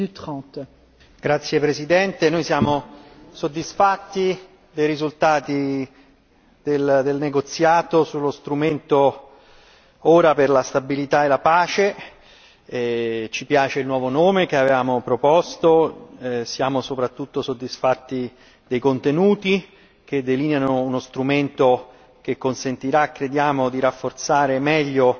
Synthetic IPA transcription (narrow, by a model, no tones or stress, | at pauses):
yt̪χɑ̃t̪ | ɡɾat̪sːjepɾesid̪ɛnt̪enojsjaːmosod̪ːisfat̪ːi | d̪ejɾizult̪aːt̪i | d̪eld̪elneɡot̪sjaːt̪osulːost̪ɾument̪o | oːɾaperlast̪abilit̪aelapaːt͡ʃe | t͡ʃipjaːt͡ʃeilnwɔːvonoːmekeavevaːmopɾopɔst̪o | sjaːmosopɾat̪ːut̪ːosod̪ːisfat̪ːi | d̪ejkont̪enuːt̪i | k̟ed̪ːeliːnjanounost̪ɾument̪o | k̟ekːonsent̪iɾakːɾed̪jaːmod̪iɾafːort̪saːɾemɛʎːo